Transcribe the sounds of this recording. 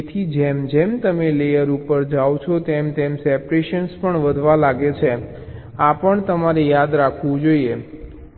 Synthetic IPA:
t̪ʰid͡ʒemd͡ʒemt̪əmelejəɾupəɾd͡ʒawt͡ʃʰot̪emt̪emsɛpɾeʃənspəɳʋəd̪ʱʋalaɡet͡ʃʰe | apəɳt̪əmaɾejad̪ɾakʰʋũd͡ʒoie

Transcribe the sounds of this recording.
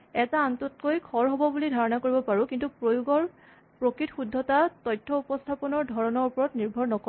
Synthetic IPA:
ɛtaantɔtkojkʰɔɹɦobɔbulidʱaɹɔnakoɹibɔpaɹũkintupojuɡɔɹ | pɹokɹitxudʱːɔtatɔjtʰːɔupɔstʰapɔnɔɹdʱɔɹɔnɔɹupɔɹɔtniɹbʱɔɹnɔkɔ

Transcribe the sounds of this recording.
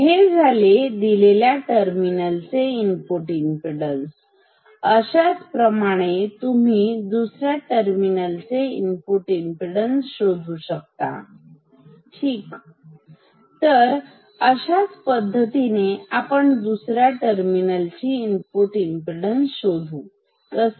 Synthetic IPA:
ɦed͡zʱaled̪ileljaʈəɾminəlt͡seimpoʈimpiɽəns | əɕat͡spɾəmaɽ̃et̪um̤iːd̪usɾjaʈəɾminəlt͡seimpoʈimpiɽənsɕod̪ʱuɕək̚t̪a̰ | ʈʰiːk | t̪əɾ | əɕat͡spəd̪ʱːət̪ineapəɳd̪usɾjaʈəɾminəlt͡ɕiːmpoʈimpiɽənsɕod̪ʱuː | t̪əs

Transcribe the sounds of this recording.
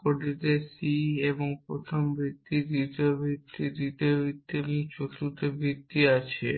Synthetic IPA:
koɖit̪esieboŋpɾo̰t̪ʰombʱɾit̪ːid̪it̪iobʱit̪ːid̪it̪iobʱɾit̪ːieboŋt͡ɕot̪ut̪ebʱɾit̪ːiat͡ɕʰe

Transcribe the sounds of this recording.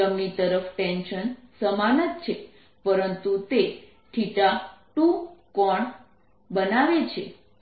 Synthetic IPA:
əmnit̪əɾəfʰʈenʃənsəmanət̪̚t͡ʃʰe | pəɾənt̪ut̪e | ʈʰiʈaʈũkɔɳ | bənaʋet͡ʃʰe

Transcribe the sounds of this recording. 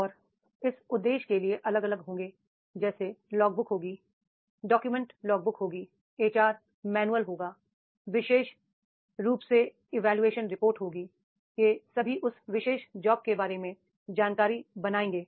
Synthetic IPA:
ɔːɾ | ɪsʊd̪ːeːʃkelieʔɐləɡɐləɡɦõːŋɡeː | d͡ʒɛːselɔːk̚bʊkɦoːɡiː | ɖɔːkjumɛ̃ɳʈlɔːk̚bʊkɦoːɡiː | eːt͡ʃaːɾ | mɛːnuəlɦoːɡaː | ʋɪʃeːʃ | ɾuːpse | ɪʋɛːljueːʃənɾɪpoːɾʈɦoːɡiː | kesɐbʱiʔʊsʋɪʃeːʃd͡ʒɔːb̚kebaːɾemẽ | d͡ʒaːnkaːɾibɐnaːẽːŋɡeː

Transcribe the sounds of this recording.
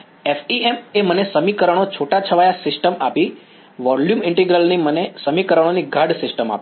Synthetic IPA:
ɛfiememənesəmikəɾəɽ̃ot͡ʃʰoʈat͡ʃʰəʋajasɪsʈəmapi | ʋɔljumɪɳʈiɡɾəlnimənesəmikəɾəɽ̃oniɡʱaɽsɪsʈəma̰pi

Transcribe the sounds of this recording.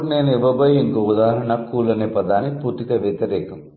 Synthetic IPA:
ɾneːniʋɐbɐɦiŋkɐud̪aːɦɾɐɳɐkːuːlɐnepɐd̪aːniput̪ikɐʋjet̪ɐɾeːkɐm

